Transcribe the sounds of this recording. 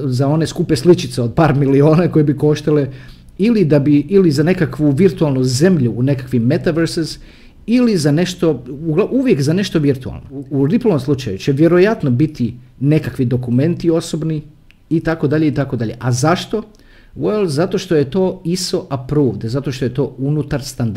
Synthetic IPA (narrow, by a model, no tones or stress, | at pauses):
zao̞ne̞skupeslit͡ʃit̪seo̞d̪̚paːɾmilio̞ːnako̞jebiko̞ʃt̪ale | ilid̪abiilizane̞kakʋuʋiɾt̪ualˠnuze̞mʎuːne̞kakʋimmet̪aʋeɾsez | ilizane̞ʃt̪o̞uɡlauʋje̞kzane̞ʃt̪o̞ʋiɾt̪ua̰lˠnouɾiplˠoʋomslˠut͡ʃa̰jut͡ɕeʋje̞ɾo̞jat̪no̞bit̪ine̞kakʋid̪o̞kumẽ̞nt̪io̞so̞bniː | t̪ako̞d̪aʎeit̪ako̞d̪aʎe̞̰ʔazaʃt̪o̞ | welˠzat̪o̞ʃt̪o̞jet̪o̞ːiso̞ʔapɾuːʋd̪ezat̪o̞ʃt̪ojet̪o̞ːunut̪aɾst̪and̪